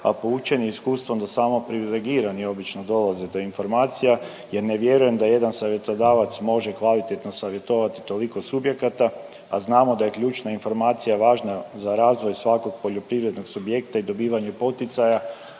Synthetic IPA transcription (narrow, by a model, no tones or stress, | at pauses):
a̰pout͡ʃeniiskuːst̪ʋo̞md̪asaːmo̞pɾiʋileɡiːɾanio̞bit͡ʃnod̪o̞lazed̪o̞info̞ɾmaːt̪sija | je̞ɾneʋje̞ɾuje̞md̪aje̞d̪ansaʋje̞t̪od̪aːʋat̪smo̞ʒekʋalit̪et̪no̞saʋje̞t̪o̞ʋat̪i̥t̪o̞liko̞subje̞kat̪a | a̰znaːmo̞d̪aje̞kʎuːt͡ʃnainfo̞ɾmaːt̪sijaʋaːʒnazaɾaːzʋo̞jsʋako̞ɡ̚po̞ʎo̞pɾiʋɾe̞d̪no̞ɡsubje̞kt̪aid̪o̞biːʋaɲe̞po̞t̪it̪saja